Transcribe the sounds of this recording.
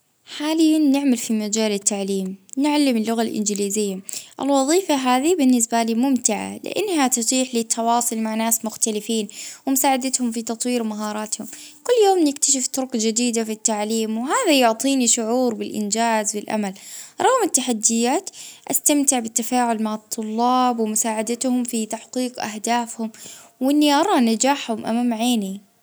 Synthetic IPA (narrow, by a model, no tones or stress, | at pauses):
ħaːlɪjːanːɪʕmalfimad͡ʒaːlɪt̪ːaʕliːmnɪʕalːɪmɪlːʊɣalʔɪ̰nd͡ʒɪliːzɪjːaʔɪ̰lwɑðˤiːfaɦaːðibɪnːɪs̬baliːmʊmt̪ɪʕa̰lɪ̰ʔɪ̰nːhat̪ɑt̪ˤiːħlit̪ʰːɑwɑːsˤʊlmaʕnaːsmʊxt̪alɪfiːnwɪmʊsaːʕad̪at̪hʊmfit̪ɑt̪ˤwiːɾmaɦɑːɾˤɑːt̪hʊmkʊlːjoːmnɪk̚t̪aʃ̬ɪft̪ʊɾʊkd͡ʒɪd̪iːd̪afit̪ːaʕliːmwɪɦaːðajʊʕt̪ˤiːniʃʊʕuːɾbɪlʔɪ̰nd͡ʒaːzbɪlʔa̰malɾˤɑɣmɪt̪ːaħad̪ːɪjːaːt̪ʔast̪amt̪ɪʕbɪt̪ːafaːʕʊlmaʕɑt̪ˤːʊlːɑːbwɪmʊsaːʕad̪at̪hʊmfit̪aħqiːqʔa̰hd̪aːfhʊmwʔɪnːiʔɑɾˤɑːnad͡ʒaːħhʊmʔa̰mamaʕeːni